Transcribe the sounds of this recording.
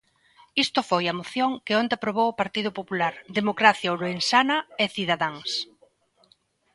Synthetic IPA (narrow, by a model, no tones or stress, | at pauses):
ist̪ʊfojɐmoθjoŋkɪond̪ɪapɾoβ̞owʊpaɾt̪iðʊpopulaɾðemokɾaθjaoloensanɐeθiðaðaŋs